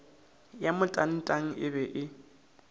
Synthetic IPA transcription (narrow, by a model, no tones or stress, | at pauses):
jamʊtʼan̩tʼaŋ̩ʔɪbɛʔɪ